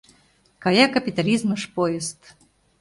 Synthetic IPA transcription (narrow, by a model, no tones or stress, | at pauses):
kajakɐpʲit̪alʲizmɨʂpɔjɪst̪